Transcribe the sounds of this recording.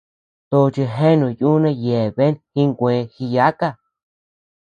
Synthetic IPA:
t̪o˧t͡ʃi˧ɦẽ˦nũ˨ju˦nẽ˧je˨βe˦nhi˦ŋɡʷẽː˨˧xi˧ja˦ka˦˧

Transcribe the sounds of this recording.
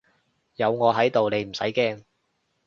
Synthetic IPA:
jɐ˨˧wŋɔː˨˧ɦɐ˨˥jt̪o˨wne˨˧m̩˨˩sɐ̰˨˥jkɛː˥ŋ

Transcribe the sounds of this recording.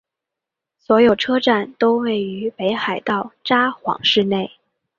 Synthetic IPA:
swɔ˧˥jo˨˩ʊʈ͡ʂʰɤ˥ʈ͡ʂa˥˩nt̪o˥ʊwe˥˩ɪy˧˥pe˧˥ɪxa˨˩ɪt̪ɑ˥˩ʊʈ͡ʂa˥xwɑ̰˧˥ŋʂɻ̩˥˧ne˥˩ɪ

